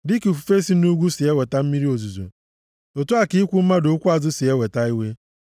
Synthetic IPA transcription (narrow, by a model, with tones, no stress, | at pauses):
dɪ˦kfu˨fe˦si˨˦nu˦ɡʷu˦si˨e˦we˨ta˦m̩˦mi˦ɾi˦o˨zu˨zo̰˨ | o˨tu˦a˨ki˦kʷu˦m̩˦ma˦do˨˦kʷu˦a˨zʊ˦si˨e˦we˨ta˦i˦we˦